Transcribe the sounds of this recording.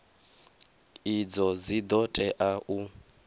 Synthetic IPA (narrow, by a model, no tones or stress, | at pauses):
id͡zɔd͡zid̪ɔtʼɛʔaʔu